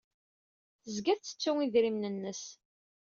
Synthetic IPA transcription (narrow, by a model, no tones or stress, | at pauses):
θəzɡæθt͡sːə̥t͡sːʊŋiðɾimnənːəs